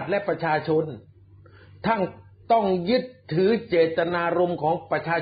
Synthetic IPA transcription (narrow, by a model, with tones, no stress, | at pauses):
t̪̚lɛ˦˥ʔpɾa˧t͡ɕʰaː˧t͡ɕʰo˧n | t̪ʰa˥˩ŋ | t̪ɔ˥˩ŋjɯ˦˥˩t̪ʰːɯː˩˦t͡ɕeː˨˩t̪ːa˧naː˧ɾo˧mkʰɔː˩˦ŋpɾa˧t͡ɕʰaː˧